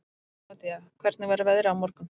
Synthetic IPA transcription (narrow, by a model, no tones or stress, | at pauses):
at̪ɪjakʰvɛɾt̪nɪvaɾavɛðɾawmɔɾkʏm